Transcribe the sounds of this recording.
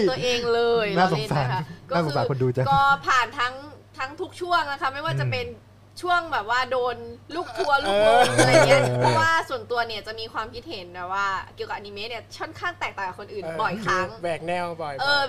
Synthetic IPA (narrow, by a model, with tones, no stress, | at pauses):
ʔeː˧ŋlɤː˧jtnaː˥˩˨so˨˦˥sa˧˨˧kʰkɔ˥aː˥˩so˨˩˦saː˨˩˧ko˧nduː˧t͡ɕa˦˥˧kɔː˥˩pʰaː˨˩nt̪ʰa˦˥ŋt̪ʰa˦˥ŋt̪ʰu˦˥k̚t͡ɕʰu˥˩əŋla˦˥kʰa˦˥ma˥˩jwaː˥˩t͡ɕa˨˩pe˧n | t͡ɕʰu˥˩əŋbɛː˨˩p̚waː˥˩doː˧nluː˥˩k̚t̪ʰːu˧ɐluː˥kːʰu˧˥˧pʰɔ˦˥˩waː˥˩su˨˩ənt̪u˧ɐni˥˩ɐt͡ɕa˨˩ʔmiː˧kʰwaː˧mkʰi˦˥t̪̚he˩˦nbɛː˨˩waː˥˩ki˨˩əkaː˨˩ʔa˧ni˧meː˦˥ni˥˩ɐkʰɔ˥˩nkʰaː˥˩ŋt̪ɛː˨˩k̚t̪aː˨˩ŋka˨˩kʰo˧nʔɯː˨˩nbɔ˨˩jkʰaː˧˦˩ŋbɛː˨˩k̚nɛ˧wbɔ˨˩ʔɤː˧